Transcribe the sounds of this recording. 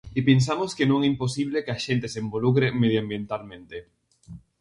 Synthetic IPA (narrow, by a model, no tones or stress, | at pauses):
ɪpens̬amoskenõŋɛimposiβ̞lekeaʃent̪esembolukɾemeð̞joambjent̪almẽnt̪e